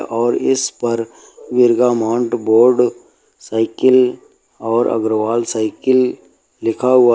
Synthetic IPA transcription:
ɔːɾɪspɐɾ | ʋɪɾɡamãːɳʈboːɾɖ | saːɪkɪl | ɔːɾə̰ɡɾəʋaːlsaːɪkɪlː | ɪkʰaɦʊa

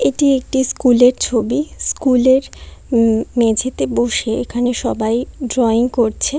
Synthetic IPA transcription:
eʈiek̚ʈiskuleɾt͡ɕʰobiskuleɾ | med͡ʑʱet̪eboʃeekʰaneʃɔbajɖɾɔiŋkoɾt͡ɕʰe

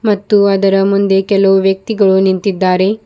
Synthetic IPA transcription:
mɐt̪ːuɐd̪ɐɾɐmund̪e̞kɛlɐʋuʋjɐk̚t̪iɡɐɭunint̪id̪ːaːɾe̞

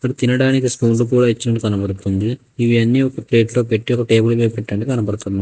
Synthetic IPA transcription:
ɐt̪ɐɾut̪inɐɽaːnikiskuːnluk̬uːɽaːit͡ʃːinɐɳɖikɐnɐpɐɽut̪und̪i | iʋiɐnːiɔkɐpɾeːʈloːpeʈːiɔkːɐʈeːbulbeːpɛʈːɐɳɖikɐnɐpɐɽut̪und̪i

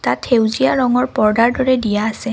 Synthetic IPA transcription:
tatʰhewzijaɹɔŋɔɹpɔɹdaɹdɔɹɛdijaːsɛ

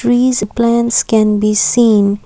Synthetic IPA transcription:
ɾiːzplæ̃nskɛ̃nbisĩːn

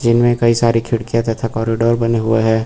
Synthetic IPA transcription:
d͡ʒɪnmẽkɐisaːɾikʰɪɽkijat̪ɐt̪ʰakɔːɾɪɖoːɾbɐneɦʊeɦɛː

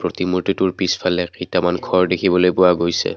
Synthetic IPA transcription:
pɹotimuɹtitʊɹpispʰalɛkitamankʰɔɹdekʰibɔlojpʊwaɡojsɛ̰

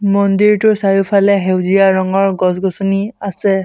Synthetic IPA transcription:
mɔndiɹtʊsajupʰalɛɦewziaɹɔŋɔɹɡɔsɡɔsɔniasɛ

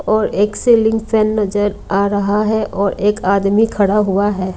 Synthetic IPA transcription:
ɔːɾeːkseːlɪ̃ŋɡpʰɛːnːɐd͡ʒəɾaːɾɐɦaɦɛʔɔːɾeːkaːd̪mikʰɐɽaɦʊaɦɛː

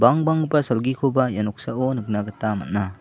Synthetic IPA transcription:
baŋbaŋbasalɡikʰobajanɔk̚saɔnɯk̚naɡɯtama̰t̚na

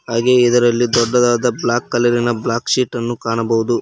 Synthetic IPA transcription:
ɦaːɡe̞id̪ɐɾɐlːid̪ɔɖːɐd̪aːd̪ɐblaːkːɐlɐɾinɐblaːkʃiːʈːɐnːukaːɳɐbɐʋud̪u

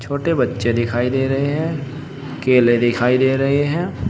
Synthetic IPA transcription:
t͡ʃʰoːʈebɐtːʃed̪ɪkʰaːid̪eːɾɐɦeɦɛ̃ː | keːlẽd̪ɪkʰaːid̪eːɾɐɦeɦɛ̃ː

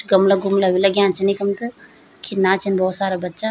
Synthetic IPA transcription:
ɡəmlaɡʱumlaʋilaɡjaːnt͡ʃʰɛnɐikɐmt̪ɨ | kʰinat͡ʃʰinbʱɔːt̪saːɾabɐtːʃa

